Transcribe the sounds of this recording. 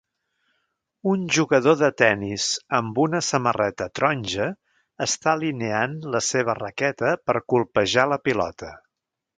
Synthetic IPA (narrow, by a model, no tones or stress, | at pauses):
unʒuɣəðoðət̪ɛnizəmbunəsəmərɛt̪ət̪ɾɔnʲʒəː | st̪alineanləseβ̞ərəkɛt̪əpəɾkulˠpəʒaləpilɔ̰t̪ə